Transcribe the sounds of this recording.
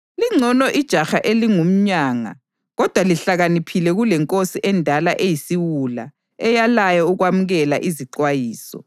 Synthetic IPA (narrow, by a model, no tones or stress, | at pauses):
liŋ͡ǀʱɔnɔʔid̥ʒ̥ʱaxaʔeliŋum̩ɲaːŋa̰ | ɣɔd̥ʱwaliɬaɣanipʰilɛɣulɛŋkʼosiʔɛndʱalaʔejisiwula̰ | ɛjalajɔuɣwamuɣɛla̰ʔiziǃwajiːsɔ̰